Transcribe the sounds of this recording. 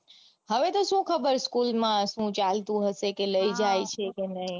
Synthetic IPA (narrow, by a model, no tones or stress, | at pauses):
həʋet̪oʃũkʰəbəɾskulmãʃũt͡ʃalt̪ũɦəʃekeləid͡ʒajt͡ʃʰekenəɦĩ